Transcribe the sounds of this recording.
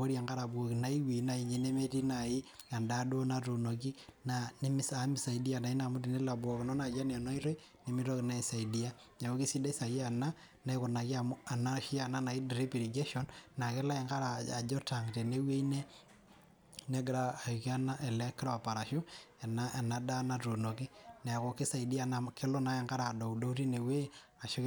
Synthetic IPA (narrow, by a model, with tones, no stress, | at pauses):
o˦ɾia˨ŋɡa˦ɾa˨bwo˨ki˨na˦i˦wi˨na˦i˨ɲe˨ne˦me˦ti˦na˨i˦a˨nda˦do˦na˨to˨no˨ki˦nane˦misa˨mi˨sa˨idi˦a˨na˨i˦na˨mu˦ti˨ne˦la˨bwo˨ke˨no˦na˨d͡ʒa˦n˨a˨no˦i˦ɾo˦i | ne˦mi˦ɾokina˦e˨sa˨idi˦a˦ | ɲe˨ko˦ki˦si˦de˦sa˨i˦a˨na˦ | na˨i˦ko˨na˨ki˦ama˨na˦ʃi˦a˨na˦na˨i˦dɾi˦pi˨ɾiɡe˦ʃo˨nːa˨ke˦la˦ɛ˨ŋɡa˦ɾa˨a˨d͡ʒɔ˦ta˨ŋɡte˨ne˦we˦ine˦ | ne˦ɡɾa˦a˨i˨ki˦a˦na˦ʔɛ˨lɛ˦kɾɔ˦a˨pa˨ɾa˨ʃo˦ɛ˨na˦e˨na˨da˦na˦to˨no˨ki˦nɛ˨kɔ˨ke˦sa˨i˨di˦a˨nake˦lɔ˦na˦ɛ˦ŋɡa˦ɾa˨do˨u˨do˦u˦ɾi˦ne˨we˦ | a˨ʃo˦k